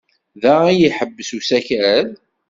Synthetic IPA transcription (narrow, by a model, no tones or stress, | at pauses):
ðææjiħəbːəsusæçɾæð